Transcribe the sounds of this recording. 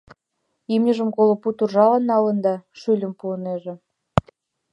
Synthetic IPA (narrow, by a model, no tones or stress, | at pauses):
imnʲəʒə̆mɡolŏput̪urʒɑlɑnːɑlə̆nd̪ɑʃylʲə̆mpuəneʒĕ